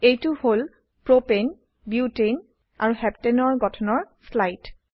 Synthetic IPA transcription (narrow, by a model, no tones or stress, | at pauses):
ejtuhol | pɹopen | bjutin | a̰ɹuhɛptenɔɹɡɔtʰɔnɔɹslajt